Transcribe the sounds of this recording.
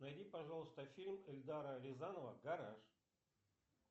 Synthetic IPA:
nɐjdʲipɐʐalˠəst̪əfʲilʲmɪlʲd̪aɾəɾʲɪzanəvəɡɐɾaʂ

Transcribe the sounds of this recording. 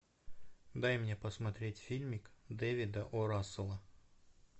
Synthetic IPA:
d̪ajmnʲepəsmɐt̪ɾʲetʲfʲilʲmʲɪkd̪ɛvʲɪd̪əʔɔɾasɨlˠə

